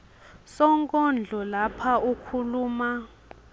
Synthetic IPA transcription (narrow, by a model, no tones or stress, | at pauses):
sɔŋkʼɔnd͡ɮʱɔlapʰaukʰuluːma